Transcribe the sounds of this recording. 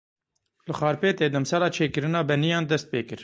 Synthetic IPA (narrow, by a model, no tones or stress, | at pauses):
lɨxɑːɾpeːt̪eːd̪ɛmsɑːlɑːt͡ʃʰeːkɨɾɨnɑːbɛnijɑːnd̪ɛst̪̚pḛːkɨɾ